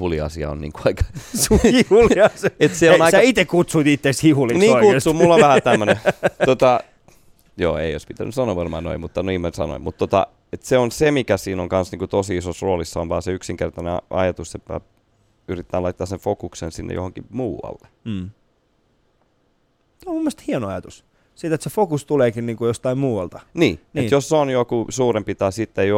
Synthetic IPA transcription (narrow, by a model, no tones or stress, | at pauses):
huliɑ̰siɑ̰o̰nniːŋkuɑikɑ̥suihuliɑset̪sieonɑisæɑit̪ekkut̪suit̪it̪ːekshihuliniːŋkutsumulːoʋʋæhæt̪æmːøneot̪ɑ | jo̰ːḛioispit̪æ̰nːysɑnoʋɑrmɑ̰ːno̰imut̪ːɑniːmensɑno̰immut̪t̪ot̪ɑ̰ | et̪seonsemikæsiːnoŋkɑnsniːŋkut̪osiisosroːlisːɑonʋɑːseyksiŋkert̪ɑneɑɑ̰jɑt̪usseppæ̰ | yrit̪ːæːlɑit̪ːɑːseɱfokuksensinːḛjohoŋkḭmuːwɑ̰lːe̥ | seomumːoest̪hiɑnoɑjɑt̪us | sit̪et̪sefokust̪uleːkinniːŋkujost̪ɑimmuːɑlt̪ɑniːnujosːonjokusuːrempit̪ɑsit̪ːejo